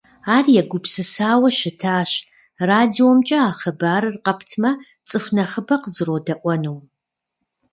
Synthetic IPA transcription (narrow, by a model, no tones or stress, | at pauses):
aːrjɛɡʷʊpsɨsaːwɐʃɪtʰaːɕ | raːdiomt͡ʃʼɐaːχɐbaːɾɨrqɐpʰtʰmɐ | t͡sʼɨxʷnɐχəbɐqəzɨɾoːdɐʔʷɔnuːw